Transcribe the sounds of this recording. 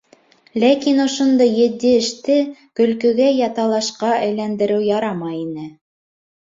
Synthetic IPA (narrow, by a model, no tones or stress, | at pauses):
lækinŏʃŏnd̪ɤjɘ̆t̪ːɘɘ̆ʃt̪ɘkɵ̆lkɵ̆ɡæjɑt̪ɑlˠɑʃqɑʔɘ̆jlænd̪ɘ̆ɾɘwjɑɾɑmɑjinɘ